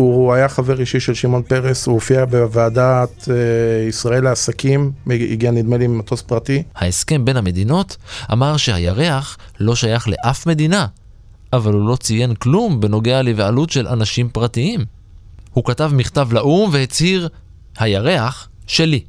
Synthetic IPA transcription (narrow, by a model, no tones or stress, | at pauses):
uuajaχaveʁiʃiʃelʃimo̞npe̞ʁesuofiabevaːdat̪eisʁaeleasakimḭɡianid̪meliimat̪ospʁat̪ihaeske̞mbe̞nhame̞d̪ino̞tʔa̰maʁʃe̞hajaʁe̞aχlo̞ʃajaχle̞̰ʔafme̞d̪ina | ʔavalhulo̞t͡sijenklumbe̞no̞ɡe̞alivalutʃe̞lanaʃimpʁatiim | hukatavmiχtavlaʔumvehet͡shiʁ | hajaʁe̞aχ | ʃe̞li